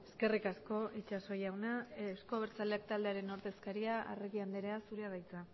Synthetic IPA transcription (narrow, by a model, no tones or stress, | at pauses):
e̞ske̞rikasko̞it͡ʃaso̞jawnaewskoaβeɾt͡sale̞akt̪ald̪e̞aɾe̞noɾðe̞skaɾiaʔa̰reɣiand̪eɾeasuɾeað̞ajt͡sa